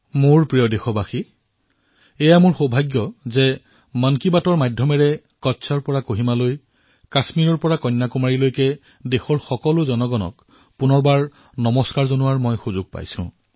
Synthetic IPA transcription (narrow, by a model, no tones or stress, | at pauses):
moɹpɹijɔdexɔbaxi | ɛjamʊɹxobʱaɡjɔzɛ | mankibatɔɹmajdʱːɔmɛɹɛ | kɔtːsʰɔɹpɔɹakoɦimaloj | kasmiɹɔɹpɔɹakɔjnːakumaɹilojkɛ | dexɔɹxɔkɔlʊzɔnɔɡɔnɔ̰k | pʊnɔɹbaɹ | nɔmɔskaɹzonʊwaɹmɔjxuzʊɡ̚pa̰jsʊ̰̃